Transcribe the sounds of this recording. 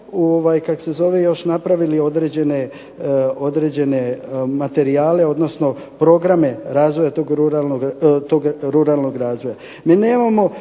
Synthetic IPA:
oʋajkako̥se̞zo̞ʋejo̞ʃnapɾaʋilio̞d̪ɾed͡ʑe̞ne | o̞d̪ɾe̞ːd͡ʑe̞ne̞mat̪e̞ɾiaːle̞o̞d̪no̞sno̞ | pɾo̞ɡɾame̞ɾaːzʋo̞jat̪oɡɾuɾalnoɡt̪oɡɾuɾalˠno̞ɡɾaːzʋoja | miːneːmamo̞

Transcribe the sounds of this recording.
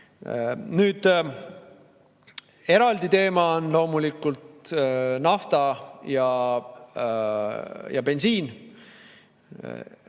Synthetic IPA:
nyːd̪̥ | e̞ɾɑld̪it̪e̞ːmɑonlo̞ːmulikːˑult̪nɑft̪ɑjɑ | jɑ̰pe̞nsiːn

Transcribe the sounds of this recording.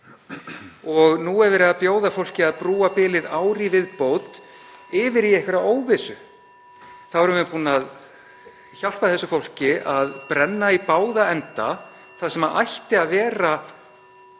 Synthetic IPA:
ɔɣnuɛvɪɾaðpjoːwðafowl̥cɪaðpɾuːapɪːlɪðaːwɾivɪðpowt̪ | ɪvɪɾiejhkvɛɾaoːwvɪsʏ | θawɛɾʏmvɪpuːnað | çal̥paθɛsːʏfowl̥cɪʔaðpɾɛnːaipaːwðaɛnt̪a | θaðsɛmaʔa̰jht̪ɪaðvɛːɾa

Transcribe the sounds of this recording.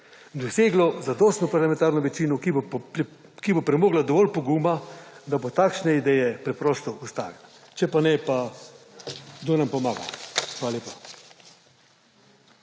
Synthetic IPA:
d̪ɔseːɡlɔzad̪ɔst̪nɔpaɾlamɛ̃nt̪aːɾnɔʋɛt͡ʃiːnɔk | kibopɾɛmoːɡlad̪ɔʋɔlpɔɡuːmad̪abot̪aːkʃnɛid̪ɛjɛpɾɛpɾɔːst̪ɔust̪a̰ːɡa | t͡ʃɛpanɛpa | d̪onampɔmaːɡa̰xʋaːlaleːpḁ

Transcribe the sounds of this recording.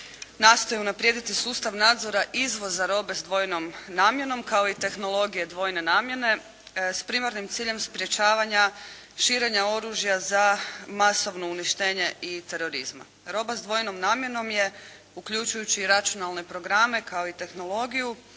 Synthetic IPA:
naːst̪ojeunapɾje̞d̪it̪isuːst̪aʋnaːd̪zo̞ɾaʔizʋo̞zaɾo̞be̞zd̪ʋo̞jno̞mnaːmje̞no̞mkao̞it̪e̞xno̞lˠo̞ɡije̞d̪ʋo̞jne̞naːmje̞ne̞ | spɾimaɾnimt̪siːʎe̞mspɾʲje̞t͡ɕaːʋaɲa | ʃiɾe̞ɲao̞ɾuːʒjazamaso̞ʋno̞uniʃt̪e̞ːɲe̞it̪e̞ɾo̞ɾizma̰ | ɾo̞bazd̪ʋo̞jno̞mnaːmjeno̞mje̞ | ukʎut͡ʃujut͡ɕiːɾat͡ʃunalˠne̞pɾo̞ɡɾame̞kao̞it̪e̞xno̞lˠo̞ɡiju

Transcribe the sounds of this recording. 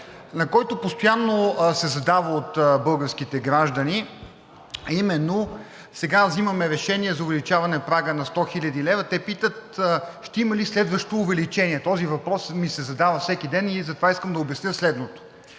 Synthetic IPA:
nɐkɔjt̪opost̪ojanːosɛzɐd̪avəot̪bɤlˠɡəɾskit̪ɛɡɾaʒd̪əni | ɐimɛnːo | sɛɡavzimɐmɛɾɛʃɛniɛzɐʊvɛlit͡ʃavɐnɛpɾaɡənɐst̪ɔxilʲɐd̪ilɛvət̪ɛpit̪ət̪ʃt̪ɛimɐlislɛd̪vəʃt̪oːvɛlit͡ʃɛniɛt̪ɔzivɐpɾɔsmisɛzɐd̪avɐfsɛkid̪ɛnizɐt̪ovaiskəmd̪ɐobɛsnʲɤslɛd̪not̪o̥

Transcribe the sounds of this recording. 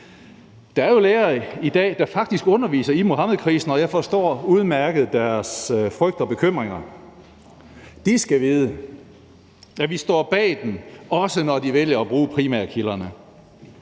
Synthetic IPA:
d̥ɑ̈æɐjo̝leːɐid̥ɛ̰ːd̥ɑ̈fɑ̈ɡ̥̚d̥isɡ̥ɔ̽nɐʋḭːsɐimo̝ɦɑ̈mð̞̩ˠkʰʁḭːsn̩ɒjɑ̈ɪfɒ̽sd̥ɒ̰ːuð̞ˠmæɐɡ̥əð̞̩ˠd̥æɐsfʁœɡ̥d̥ɒ̽b̥e̝kʰøm̰ʁeŋɐ | d̥isɡ̥æʋiːð̞ˠə | jæʋisd̥ɒ̰ːb̥ɛ̰ːd̥emɒ̽sənɒd̥iʋeljɐːb̥ʁuːpʰʁimæ̰ɐ̰kʰilɐnə

